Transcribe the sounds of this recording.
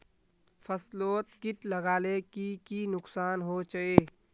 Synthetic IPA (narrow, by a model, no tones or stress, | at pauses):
pʰəsloːt̪kɪʈləɡaːlekikinʊksaːnɦot͡ʃəeː